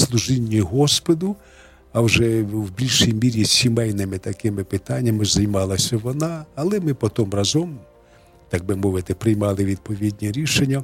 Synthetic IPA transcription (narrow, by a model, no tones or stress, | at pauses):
slˠuʒɪnʲːiɦɔspɔd̪ʊ | ɐwʒɛwbʲilʲʃijmʲiɾʲisʲimɛjnɪmɪt̪ɐkɪmɪpɪt̪ɑnʲːɐmɪzɐjmɑlˠɐsʲɐʋɔnɑːlˠɛmɪpɔt̪ɔmrɑzɔm | t̪ɑɡ̚bɪmɔʋɪt̪ɪpɾɪjmɑlˠɪʋʲid̪̚pɔʋʲid̪ʲnʲiɾʲiʃenʲːɐ